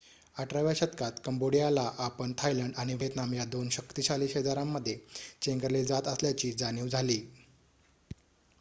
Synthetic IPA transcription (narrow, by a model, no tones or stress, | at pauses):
aʈɾaʋjaɕət̪kat̪kəmboɽijalaʔapəɳt̪ʰajləɳɖaɽ̃iʋʱet̪namjad̪onɕəkt̪iɕaliːɕed̪aɾamːəd̪ʱːjet͡ɕeŋɡəɾled͡zat̪əsljat͡ɕiːd͡zaniːwd͡zʱaliː